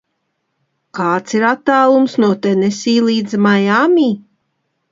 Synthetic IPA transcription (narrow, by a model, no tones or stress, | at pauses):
kaːt̪siɾat̪ːaːlˠumsnuɔt̪enesiːlˠiːd̪zmajamʲiː